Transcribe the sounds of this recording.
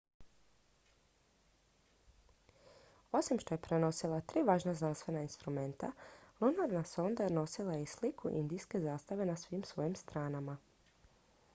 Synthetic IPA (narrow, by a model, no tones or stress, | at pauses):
o̞simʃt̪o̞je̞pɾe̞no̞silˠat̪ɾiːʋaːʒnaznanst̪ʋe̞nainst̪ɾume̞nt̪a̰lˠunaɾnaso̞nd̪ano̞silˠajeislikʰṵʔḭnd̪iske̞zaːst̪aʋe̞nasʋiːmsʋo̞jimst̪ɾaːnama